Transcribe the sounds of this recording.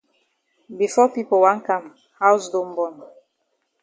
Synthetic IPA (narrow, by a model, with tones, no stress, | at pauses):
bi˨fɔ˦pi˦po˨wa˨˦ŋ̩˦ka˦˨m | ha˦wsdo˦m˦bɔ˦˨n